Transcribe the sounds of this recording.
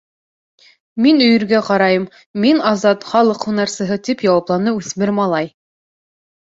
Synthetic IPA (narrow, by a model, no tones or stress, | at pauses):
minɵ̆jɵ̆ɾɡæqɑɾɑjɤmː | inɑzɑt̪χɑlˠɤqhunɑɾsɤ̆ɦɤt̪ipjɑwɑplˠɑnɤʉθmɘɾmɑlˠɑj